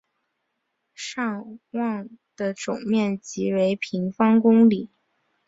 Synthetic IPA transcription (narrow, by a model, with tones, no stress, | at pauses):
ʂɑ˥˧ŋwɑ˥˧ŋd̪̥ə˨ʈ͡ʂʊ˨˩ŋmjɛ˥˩nt͡ɕi˧˥we˧˥ɪpʰi˧˥ŋfɑ˥ŋkʊ˥ŋli˨˩˦